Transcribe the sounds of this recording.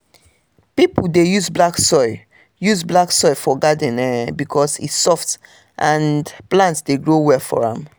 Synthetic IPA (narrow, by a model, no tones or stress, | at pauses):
pipl̩dejuzblaksɔɪ | juzblaksɔɪfɔɡad̃nɛbikʰɔsḭtsɔft | ʔãndplãntsdeɡɹowɛfɔ̰ɹã̰m